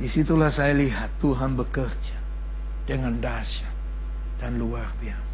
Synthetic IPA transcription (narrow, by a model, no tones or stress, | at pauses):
disit̪ulahsajaliɦat̪ːuɦanbəkərd͡ʒḁ | d̥əŋandasḁ | d̥anluarbiasa